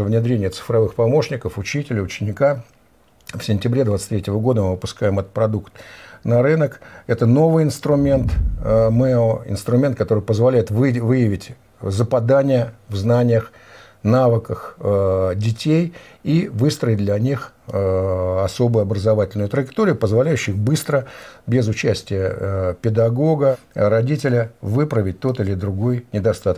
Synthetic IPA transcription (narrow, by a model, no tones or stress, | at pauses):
əvnʲɪd̪ɾʲenʲɪjət̪sɨ̥fɾɐvɨxpɐmo̞ʂnʲɪkəfʊt͡ɕitʲɪlʲɪʊt͡ɕɪnʲɪka | fsʲɪnʲtʲɪbɾʲe̞d̪vat̪st̪ʲɾʲetʲɪvəɡo̞d̪əmɨvəpʊskajɪmɐt̪̚pɾɐd̪ukt̪nɐɾɨnəkɛt̪əno̞vɨjɪnst̪ɾʊmʲe̞nt̪mɛoɪ̰nst̪ɾʊmʲe̞nt̪̚kɐt̪o̞ɾɨjpəzvɐlʲæjɪt̪vɨvɨjɪvʲɪtʲ | zəpɐd̪anʲɪjəvznanʲɪjəx | navəkəx | dʲɪtʲejivɨst̪ɾəɪt̚ʲd̪lʲɐnʲix | ɐso̞bʊjʊɐbɾəzɐvatʲɪlʲnʊjʊt̪ɾəjɪkt̪oɾʲɪjʊpəzvɐlʲæjʉɕːɪxbɨst̪ɾəbʲɪzʊt͡ɕæsʲtʲɪjəpʲɪd̪ɐɡo̞ɡəɾɐdʲitʲɪlʲəvɨpɾəvʲɪt̚ʲt̪o̞t̪ɨlʲɪd̪ɾʊɡo̞jnʲɪd̪ɐst̪at̪ək